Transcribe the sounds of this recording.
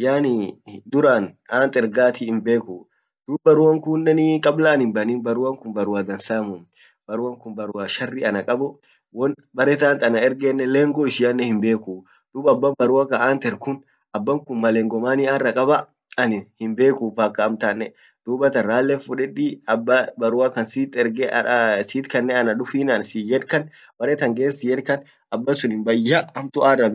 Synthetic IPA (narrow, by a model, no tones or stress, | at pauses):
jaːnid̪ʊɾaːnaːnt̪ɛɾɡaːt̪ɪːmbe̞ːku | d̪̥uːbbɐɾʊwɐŋkuːnːɛnɪkʼɐblaːnɪmbɐniːnbɐɾʊwɐŋkʊnbɐɾʊwaːd̪ɐnsaːmʊm | b̥ɐɾʊwɐŋkʊnbɐɾʊwaʃɐrːɪɐnɐkʼɐbʊ | wɔn | bɐɾɛt̪aːnt̪ɐnɐɛɾɡɛnːɛleːŋɡɔɪʃɪɐnːɛhɪmbe̞ːku | d̪̥uːbɐbːɐmbɐɾʊwakɐaːnt̪ɛɾkʊn | ɐbːɐŋkʊnmɐleːŋɡɔmaːniaːrːɐkʼɐbɐ | ɐnɪhɪmbe̞ːkuːfakːɐːmt̪anːɛ | d̪̥uːbɐt̪ɐːaːlːɛfʊᶑɛᶑiːɐbɐbɐɾʊwakɐnsiːt̪ːɛɾɡɛsiːt̪kɐnːɛɐnɐᶑʊfiːnɐnsijɛlkɐn | b̥ɐɾɛt̪ɐŋɡeːnsɪjɛɾkɐn | ɐbːɐnsʊnɪmbɐjːɐɐmt̪ʊaːrːɐ